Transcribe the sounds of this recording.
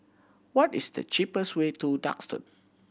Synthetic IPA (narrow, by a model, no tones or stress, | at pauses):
wɔtisdə̰t͡ʃipəstwetuda̰kstṵd̚